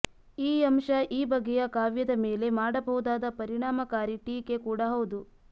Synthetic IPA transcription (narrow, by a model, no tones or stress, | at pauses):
iːɐmʃɐʔiːbɐɡːɛjɐkaːʋjɐd̪ɐmeːle̞maːɽɐbɐɦud̪aːd̪ɐpɐɾiɳaːmɐkaːɾiʈiːke̞kuːɽɐɦɐwud̪u